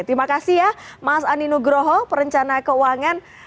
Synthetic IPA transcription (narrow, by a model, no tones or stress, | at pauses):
t̪ɾimakasiɦjahmasaninuɡɾoɦɔpəɾəɲt͡ʃanakəuaŋan